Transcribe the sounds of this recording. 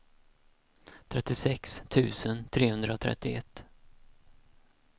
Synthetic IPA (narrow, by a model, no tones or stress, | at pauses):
t̪ʰɾɛt̪ːɪsɛkst̪ʰʉ̟ːsənt̪ʰɾeːhɵnd̪ɾaɔt̪ʰɾɛ̰t̪ːɪɛt̪ː